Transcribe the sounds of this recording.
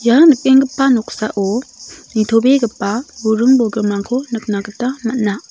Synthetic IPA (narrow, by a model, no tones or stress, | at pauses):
janɯk̚eŋɡɯpːanɔk̚saʔonitʰobeɡəpːabuɾɯŋbɔɡɯmaŋkʰonɯk̚naɡətamat̚na